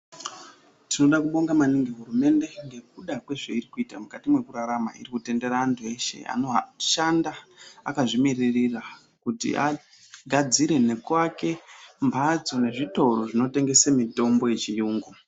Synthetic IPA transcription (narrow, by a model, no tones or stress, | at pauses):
tino̞ɗakuɓo̞ŋɡamaniŋɡeɦurume̞nde̞ŋɡe̞k̚uɗakwe̞ʐeiɾikuiːtamukatimwe̞kuɾaɾama̰ḭrikute̞nde̞ɾaːntʰue̞ʃe̞̰a̰noaʃandaa̰kaʐimirerira | kutḭʔa̰ | ɡʱad͡ziɾe̞ne̞kwake̞mbʱad͡zo̞ne̞ʐito̞ro̞ʐino̞te̞ŋɡe̞semito̞mbo̞jet͡ʃijuːŋɡu